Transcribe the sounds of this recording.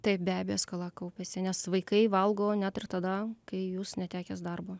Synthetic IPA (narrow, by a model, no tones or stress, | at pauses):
t̪ɐɪp̚bʲæːbʲɛjoːskɐlˠɑkɐʊpʲeːsʲɪnʲɛsʋɐɪkɐɪʋɐlˠɡoːnʲæt̪ɪrt̪ɐd̪ɐkɐɪjuːsnʲɛt̪ʲæːkʲɛsd̪ɐrboː